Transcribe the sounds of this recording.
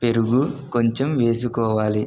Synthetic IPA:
pe̞ɾuɡukoɲt͡ʃemʋe̞ːs̬ukɔːʋaːli

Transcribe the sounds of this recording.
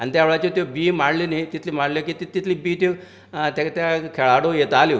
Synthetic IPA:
anit̪jaʋɭat͡ɕet̪obiːmaɽlinet̪it̪ʰlim̤aɽlokit̪it̪it̪liːbiːt̪e | t̪akt̪jakʰeɭaɽojet̪ali

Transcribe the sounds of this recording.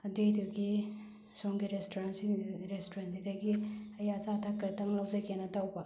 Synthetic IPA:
ɐdejduɡi | soŋɡiɾestʰoɾansiɾestʰoɾansidɐɡiɐjasatʰakːɐtɐŋlɐwzɐkʰenɐtawbɐ

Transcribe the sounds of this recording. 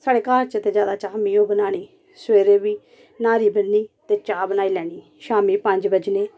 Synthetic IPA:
saːɽeːkaːɾt͡ʃət̪eːd͡ʒjaːd̪aːt͡ʃaːmiːoːbənaːɽ̃iː | sweːɾeːbiː | naːɾiːbənːiːt̪eːt͡ʃaːbənaːiːlɛːɽ̃iː | ʃaːmiːpəɲd͡ʒbəd͡ʒneː

